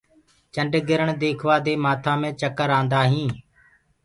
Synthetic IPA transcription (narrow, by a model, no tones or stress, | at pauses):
t͡ʃəɳɖɡɪɾəɳd̪eːkʰʋaːd̪eːmaːt̪ʰãːmẽːt͡ʃəkəɾãːnd̪aːɦĩː